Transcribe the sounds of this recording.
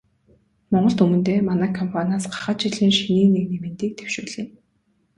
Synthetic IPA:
mɔɴɢɞ̆ɮt̪ɵmɵ̆nt̪eːmanæːkʰɔmpʰanʲaːsɢḁχə̆t͡ɕiɮiːŋʃiniːneknemɘ̆nt̪iːk̚t̪ʰew̥ʃuːɮiːn

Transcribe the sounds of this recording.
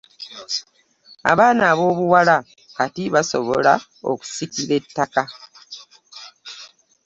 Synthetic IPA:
a̰βaːnaːβo̞ːβuwala | katiβaso̞̰βo̞̰la̰ | o̰ku̥sikiɾe̞tːaka

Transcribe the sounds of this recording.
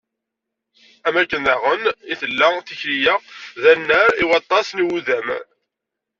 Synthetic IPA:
æmækːənæʁəniθəlːæθiçlijæðænːæɾiwɑt̪ˤːɑsnwuðæm

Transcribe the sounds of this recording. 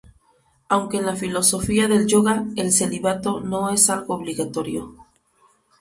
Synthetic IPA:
awŋke̞ːnlafilo̞so̞fiaðe̞lʝo̞ɣae̞lse̞liβat̪o̞no̞e̞salɣo̞ːβliɣat̪o̞ɾjo̞̰

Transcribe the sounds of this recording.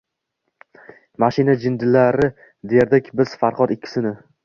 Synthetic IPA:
maʃɪnad͡ʒɪnd̪ɪlaɾɪ | d̪ejeɾd̪ekʲbɪz̥faɾqɒd̪ɪkʲʰːɪ̥sɪnɪ

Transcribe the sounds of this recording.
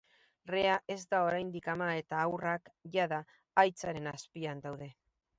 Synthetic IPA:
re̞aʔe̞zd̪ao̞ɾajnd̪ikamae̞t̪aːwrakʝaðaː | jt͡saɾe̞naspiand̪awðe̞

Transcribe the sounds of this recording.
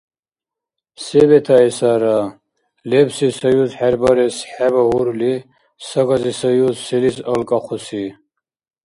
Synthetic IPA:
sɛbɛt̪ʰaɛsaɾa | lɛbsisajuzħɛɾbaɾɛsħɛbaɦuɾuli | saɡazisajuzsɛlisəlkʼaqʰusi

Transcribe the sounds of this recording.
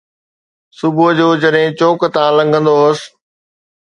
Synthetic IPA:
sʊbud͡ʑoːd͡ʑɐɗɦɪ̃t͡ɕoːkt̪ãːlɐ̃ŋɡʱə̃nd̪oɦʊs

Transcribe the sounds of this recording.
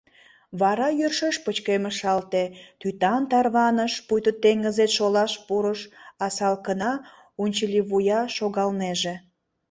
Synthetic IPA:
βɑɾɑjørʃəʃpət͡ɕkeməʃɑlt̪et̪yt̪ɑnt̪ɑrβɑnəʃpujt̪ət̪ːeŋɡəzet̪ʃolɑʃpuɾəʃɑsɑlkənɑ | unʲt͡ɕəlʲiβujɑʃoɣɑlneʒe

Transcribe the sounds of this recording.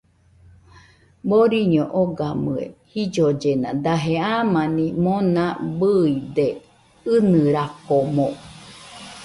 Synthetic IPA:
boɾiɲoʔoɡamɨḛhid͡ʒod͡ʒenad̪aɦeamanimonãbɨid̪e | ɨnɨɾakomõ

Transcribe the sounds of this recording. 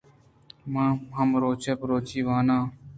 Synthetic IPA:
mãːɦəmɾoːt͡ʃeːpɾoːt͡ʃiːʋaːnãː

